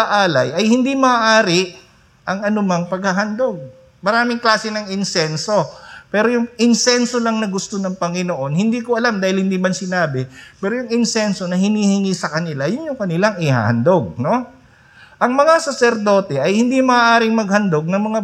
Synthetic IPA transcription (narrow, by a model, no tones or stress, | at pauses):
aʔaːlɐjʔɐjhɪnd̪imɐːʔaːɾɪ | ʔɐŋɐnʊmɐŋpɐɡ̚hɐɦɐnd̪o̞ɡ̚ | mɐɾaːmɪŋklaːsɪnɐŋɪnsɛnso̞pɛːɾo̞jʊŋʔɪnsɛnso̞lɐŋnɐɡʊst̪onɐŋpɐŋɪnoʔo̞nhɪnd̪iːkoʔɐlamd̪aːhɪlhɪnd̪iːmɐnsɪnaːbɪpɛːɾojʊŋɪnsɛnso̞nɐhɪniːhɪŋisɐkɐnɪlajʊnjʊŋkɐnɪlaŋɪha̰ːhɐ̰nd̪oɡ̚no̞ | ʔɐŋmɐŋasɐsɛɾd̪o̞ːt̪ɛʔɐjhɪnd̪imɐːʔaːɾɪŋmɐɡ̚hɐnd̪o̞ɡ̚nɐŋmɐŋa